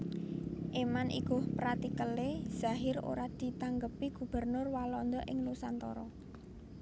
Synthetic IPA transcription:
ʔemanʔḭɡ̥ʊ̤hpɾat̪ikəlez̥a̤ɦɪɾo̰ɾad̪̥i̤t̪aŋɡəpiɡ̥ṳb̥ə̤rnʊrwalɔnd̪ɔʔɪŋlusant̪ɔ̰ɾɔ

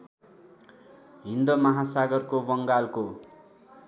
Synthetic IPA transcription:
ɦind̪omʌɦasaɡʌrkobʌŋɡalko

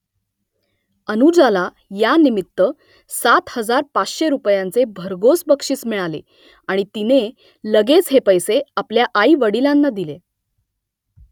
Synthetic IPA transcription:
ənud͡zala | janimit̪ːə | sat̪həd͡zaɾpat͡sɕeɾupjant͡sebʱəɾɡosbəkʂiːt͡smiɭalḛ | aɽ̃it̪ine | ləɡet͡sɦepəjseapljaʔaiʋəɽilanːad̪ile

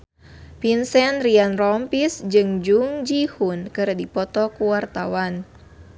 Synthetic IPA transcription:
pinsɛnrianrɔmpisd͡ʒɨŋd͡ʒuŋd͡ʒihunkɨrdipɔt̪ɔkuwart̪awan

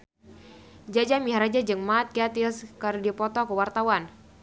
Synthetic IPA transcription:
d͡ʒad͡ʒamiɦaɾad͡ʒad͡ʒɨŋmat̪̚kiat̪ilskərdipɔt̪ɔkəwart̪awan

